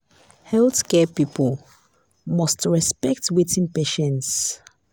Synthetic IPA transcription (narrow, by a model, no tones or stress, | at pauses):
hɛlθkɛpipəl | mɔstɹɛspɛk̚twitĩnpeʃɛ̃nts